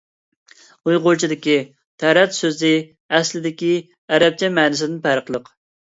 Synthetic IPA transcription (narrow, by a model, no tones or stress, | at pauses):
ujʁoɾt͡ʃʰid̪ɪkʲi | t̪ʰæɾɛt̪søzlɪ | ɛslɪd̪ɪkʲi | ɛɾɛp̚t͡ʃʰɛmɛːnɪs̬ɪd̪ɪnpʰæɾəqlˠəq